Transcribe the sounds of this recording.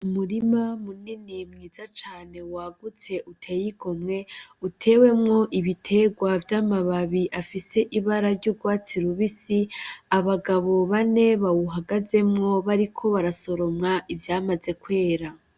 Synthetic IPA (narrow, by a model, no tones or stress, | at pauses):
umuɾimamuninimŋiːzat͡ʃaːne̞waːɡut͡se̞ʔutʰe̞ːjiɡo̞mŋe̞utʰe̞ːwe̞mŋo̞ʔiβitʰe̞ɡwavjaːmaβaβiʔafise̞ʔiβaɾaɾɟuɡwaːt͡siɾuβisiaβaɡaβo̞βane̞βawuɦaɡaze̞mŋo̞βaɾikʰo̞βaɾaso̞ɾo̞mŋaʔivjaːmaze̞kwe̞ːɾa